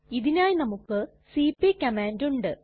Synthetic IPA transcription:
iðinaːjinɐmukːɨ | siːpːikɐmaːnduɳɖɨ

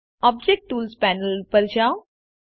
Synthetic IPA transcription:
ɔb̚d͡ʑek̚ʈːuːlspænəlpəɾd͡ʑaw

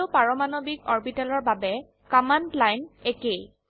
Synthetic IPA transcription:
ʊpaɹɔmanobikɔɹbitalɔɹbabɛ | kɔmanplajnekej

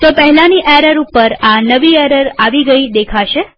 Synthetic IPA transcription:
t̪opəɦɛlaniʔɛɾəɾupəɾanəʋiɛɾəɾaʋiɡəid̪ekʰaʃe

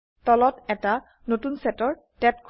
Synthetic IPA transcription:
tɔlɔtɛta | notunsɛtɔɹ | tɛtkʰ

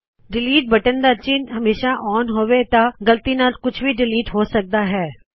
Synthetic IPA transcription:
ɖɪliːʈ̚bəʈənd̪aːt͡ʃɪnɦəmeːʃaːʔɔːnɦoːʋeːt̪ãːɡəlt̪iːnaːlkʊt͡ʃʰʋiːɖɪliːʈɦoːsək̚d̪aːɦɛː

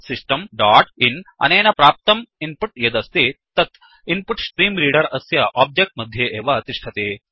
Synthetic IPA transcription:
sisʈəmɖaːʈinɐ̰nienapɾaːp̚t̪ɐminpuʈjɐd̪ɐst̪eːt̪ɐt̪ | inpuʈsʈɾiːmɾiːɽɐɾɐsjɐʔɔːb̚d͡ʒek̚ʈ̚mɐd̪ʱːjeʔeːʋaɐt̪iʂʈʰɐt̪eː

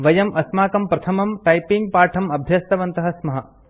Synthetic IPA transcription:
ʋɐjɐmʔɐsmaːkɐmpɾɐt̪ʰɐmɐmʈɐjpiŋɡ̚paːʈʰɐmɐbʱjɐst̪ɐʋɐnt̪ɐɦɐsmɐɦɐ

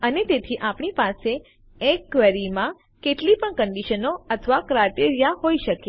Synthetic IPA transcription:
ənet̪et̪ʰiʔapɳ̃ipase | ekːʋəɾimã | keʈlipəɳkəɳɖiʃənoət̪ʰəʋakɾaʈeɾijaɦoiʃəke

